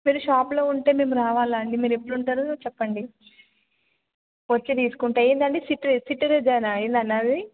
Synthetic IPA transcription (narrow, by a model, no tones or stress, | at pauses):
miːɾuʃaːplo̞ːuɳʈe̞ːme̞ːmuɾaːʋaːlaːɳɖimiːɾuepːuɽuɳʈaːɾut͡ʃɛpːɐɳɖi | ʋɐt͡ʃːed̪iːsu̥kuɳʈaːeːnd̪ɐɳɖisiʈsiʈːɐɾed͡ʒaːnaeːnd̪ɐnːaːd̪i